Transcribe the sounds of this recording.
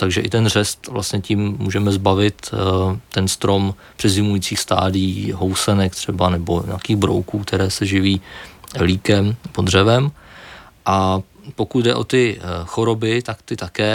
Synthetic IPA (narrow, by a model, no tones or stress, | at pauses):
t̪aɡʒɛʔɪt̪ɛnr̝ɛst̪vla̰st̪ɲɛcimːṵːʒɛmɛzbavɪt̪ː | ɛnst̪ɾo̞m | pr̝̥ɛzɪmujiːt͡siːxst̪a̰ːdɪjiːɦo̞wsɛnɛk̚t̪r̝̥ɛbanɛbo̞ɲɛ̰akiːɣbɾo̰wkuːk̚t̪ɛɾɛːsɛʒɪviːliːkɛmpod̪r̝ɛvɛm | ʔa | po̞kut̪dɛ̰ʔo̞̰t̪ɪxo̞ɾo̞bɪt̪akt̪ɪt̪akɛː